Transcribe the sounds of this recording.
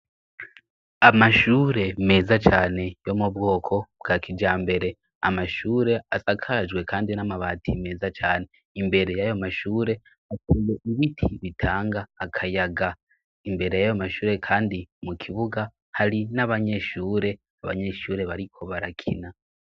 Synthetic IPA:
amaʃuːɾe̞me̞ːzat͡ʃaːne̞jo̞mubɡo̞ːkʰo̞bɡakʰid͡ʒaːmbe̞ɾe̞ | a̰maʃuːɾe̞asakʰaʒɡwe̞kʰaːndinamaβaːtʰime̞ːzat͡ʃaːne̞ | imbe̞ɾe̞jajo̞maʃuːɾe̞ | atʰuːje̞ʔiβitʰiβitʰaːŋɡaːkʰajaɡa | imbe̞ɾe̞jajomaʃuːɾe̞kʰaːndimukʰiβuɡa | haɾinaβaɲe̞ʃuːɾe̞ | aβa̰ɲe̞ːʃuːɾe̞βaɾikʰo̞βaɾakʰḭna

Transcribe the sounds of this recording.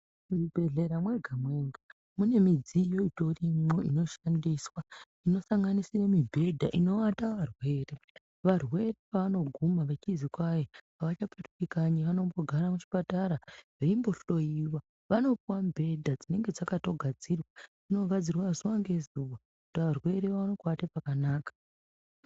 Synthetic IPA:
uribʱe̞ɮe̞ɾamwe̞ɡʱamwe̞ŋɡa | mune̞mid͡zijo̞ito̞rimoino̞ʃandiswa | ino̞saŋɡanisiremibʱe̞dʱaʔino̞wataʋarwe̞ːre̞ | ʋarwe̞repaʋano̞ɡʱumaʋet͡ʃizikwajepaʋat͡ʃapetukikaɲiʋano̞mbo̞ɡʱaɾamut͡ʃi̥pataɾa | eimbo̞ɬo̞jiwa | ʋano̞pwambʱe̞dʱad͡zine̞ŋɡe̞d͡zakato̞ɡʱad͡zirwaʐino̞ɡʱad͡zirwazuwaŋɡe̞zuwa | kutʋarwe̞ɾeʋaʋano̞katepakanaːkḁ

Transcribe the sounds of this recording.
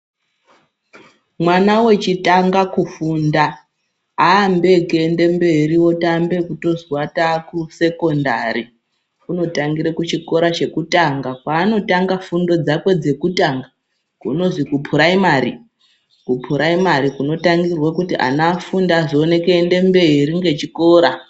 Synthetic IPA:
mwanawe̞t͡ʃitaŋɡakufuːndaː | mbe̞keːnde̞mbe̞ɾiwo̞tambe̞kuto̞zwatakuse̞ko̞ndaɾi | kuno̞taŋɡiɾekut͡ʃiko̞ɾat͡ʃe̞kutaŋɡakwaːno̞taŋɡafundo̞d͡zakwe̞d͡ze̞kutaŋɡa | kṵno̞zikupʰuɾaimaɾḭ | kupʰuɾaimaɾikuno̞taŋɡirwakutiʔa̰nafundaːʐione̞keːnde̞mbe̞iɾiŋɡe̞t͡ʃiko̞ːɾa

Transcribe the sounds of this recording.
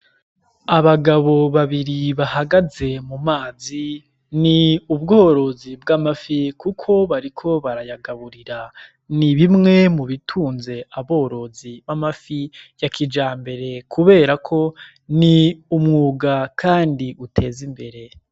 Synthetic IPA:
aβaɡaβo̞βaβiɾiβahaɡaze̞mumaːzi | niubɡo̞ːɾo̞zibɡamafikukʰo̞βaɾikʰo̞βaɾajaɡaβuɾiɾa | niβimŋe̞muβitʰuːnze̞aβo̞ːɾo̞ziβamafijakʰid͡ʒaːmbe̞ɾe̞kʰuβe̞ːɾakʰo̞ | niumŋuːɡakʰaːndiʔutʰe̞ːzimbe̞ɾe̞

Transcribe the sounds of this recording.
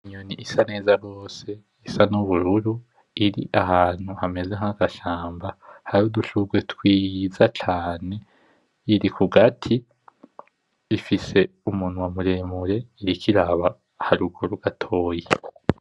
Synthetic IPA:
iɲoniʔisane̞ːzaɡo̞ːse̞ | isanuβuɾuɾu | iɾḭʔaɦaːn̥huhame̞zeŋaɡ̥aʃaːmbahaɾuduʃuɡwetwiːzat͡ʃaːne̞ | iɾikʰuɡatʰi | ifise̞ | umuːnuwamuɾemuɾe̞iɾikʰiɾaβa | haɾuɡoɾuɡ̥atʰo̞ːje

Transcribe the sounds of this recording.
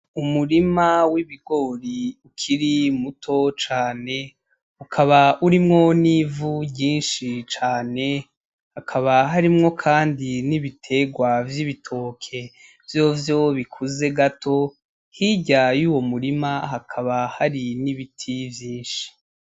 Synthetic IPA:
umuɾimawiβiɡo̞ːɾiukʰiɾimutʰo̞t͡ʃaːne̞ | ukʰaβauɾimŋo̞nivuɟɟiːnʃit͡ʃaːne̞ | hakʰaβaɦaɾimŋo̞kʰaːndiniβitʰe̞ːɡwavjiβitʰo̞ːkʰe̞ | vjo̞vjo̞βikʰuze̞ɡatʰo̞ | hiɟajuːwo̞muɾimaɦakʰaβahaɾiniβitʰivjiːnʃi̥

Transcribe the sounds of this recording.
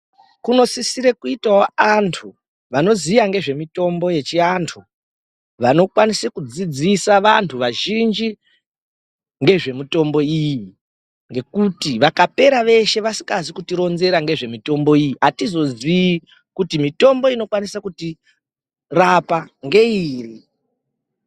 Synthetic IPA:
kuno̞sisiɾekuitaoantʰu | ʋano̞ziʋaŋɡe̞ʐe̞mito̞mbo̞je̞t͡ʃiantʰu | ʋano̞kwanisekud͡zid͡zisaʋantʰuʋaʒind͡ʒi | ŋɡe̞ʐe̞mito̞mbo̞iji | ŋɡe̞kutiʋakape̞ɾaʋe̞ʃe̞ʋasi̥kazikutiɾo̞nze̞ɾaŋɡe̞ʐe̞mito̞mbo̞ijiɦatizo̞zii | kutimito̞mbo̞ino̞kwanisakuti | rapaŋɡe̞iːri

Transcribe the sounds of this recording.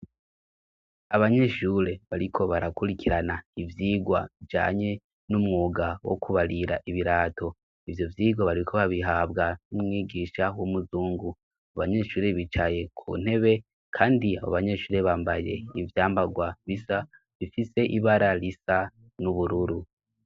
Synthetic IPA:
aβaɲe̞ʃuɾe̞βaɾikʰo̞βaɾakuɾikiɾanaivjiːɡwaid͡ʒa̰ːɲe̞ | numŋuːɡawo̰kʰuβaɾiɾa̰ʔiβiɾaːtʰo̞ | ivjo̞vjiːɡwaβaɾikʰo̞βaβiɦabɡanumŋiːɡiʃawomuzuːŋɡu | aβaɲe̞ʃuːɾe̞βit͡ʃaje̞kʰṵːn̥he̞βe̞ | kʰaːndia̰βo̰βaɲe̞ʃuːɾeβaːmbaje̞̰ivjaːmbaɡwaβisa | βifise̞ʔiβaɾaɾisa | nuβuɾuɾu

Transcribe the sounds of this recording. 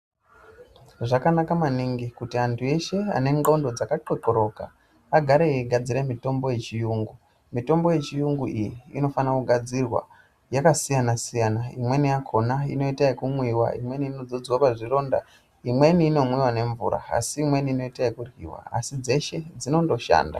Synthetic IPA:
ʐakanakamaniŋɡikutiantʰue̞ʃe̞a̰ne̞ŋɡondo̞d͡zakaǃekoɾo̞ka̰ | aɡʱaɾeɡʱad͡ziɾemito̞mbo̞je̞t͡ʃijuːŋɡu | mito̞mbo̞je̞t͡ʃijuŋɡuʔijiːno̞fanakuɡʱad͡zirwa̰ | jakasijanasijanaimwe̞nijakʰo̞naino̞itaikumwiwa̰ḭmwe̞niːno̞d͡zo̞d͡zwapaʐiro̞ːnda̰ | imwe̞niːno̞mwiwane̞ɱvṵɾa̰a̰siːmweniːno̞itaikurɣḭwa̰a̰sid͡ze̞ʃe̞d͡zino̞ndo̞ʃa̰ːnda̰

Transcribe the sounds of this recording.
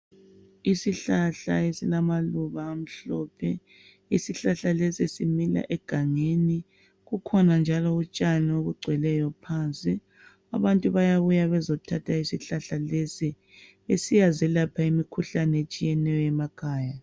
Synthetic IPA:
isiɬaɬa̰esilamaluβaːm̩ɬɔːpʰɛ | isiɬaɬalesiesimila̰ʔɛɡ̥ʱaŋeni | ɣukʰɔnand͡ʒʱalɔut͡ʃʼanɛoɣuɡ͡ǀʱwɛlɛjɔpʰant͡sʼi | a̰βantʼuβajaβujaβɛzɔtʰatʰaisiɬaɬalesi | esijazɛlapʰaimikʰuɬanɛet͡ʃʼijɛnɛjɔɛmakʰaːja

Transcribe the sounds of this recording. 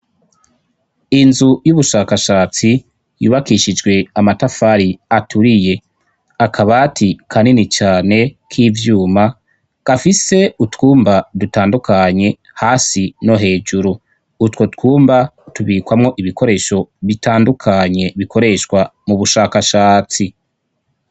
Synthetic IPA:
inzujuβuʃaːkaʃaːt͡si | jṵːβakiʃid͡ʒɡwe̞amatafaɾiatuɾije̞ | akʰaβatʰikʰaninit͡ʃaːne̞kʰiːvjuːma | ɡ̥afise̞utwuːmbadutaːndukʰaɲe̞ | haːsino̞ɦe̞ːd͡ʒuɾuː | two̞tkuːmbatuβiːkwamŋo̞ʔiβiko̞ɾe̞ːʃo̞βitaːndukʰaɲe̞βiko̞ɾe̞ʃkwamuβuʃaːkaʃaːt͡si

